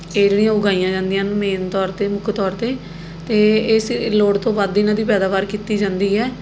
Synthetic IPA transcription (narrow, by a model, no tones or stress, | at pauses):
eːd͡ʒeːɽijãːʊɡaːijãːd͡ʒãːnd̪ɪjãːnmeːnt̪ɔːɾt̪eːmʊkʰt̪ɔːɾt̪eː | t̪eːɪsloːɽt̪õːʋad̪ɪːnãːd̪iːpɛːd̪aːbaːɾkiːt̪iːd͡ʒãːnd̪iːɦɛː